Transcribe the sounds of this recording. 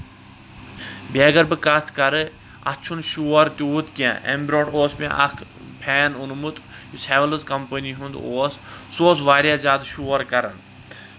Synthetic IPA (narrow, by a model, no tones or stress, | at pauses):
bʲeːɡɐɾbɨkɐt̪ʰkɐɾɨ | ɐ̰t͡ʃʰunʃuɐɾt̪uːut̪kiã̰ːʔḛmbɾoːʈoːsmḛ̃ʔɐ̰kʰ | pʰɛːnunmut̪ | jusʰɛːʋɐlɨzkɐmpəniɦũnd̪oːssoːsʋaːɾʲjaːzʲaːd̪ʃuːɐɾkɐɾɐn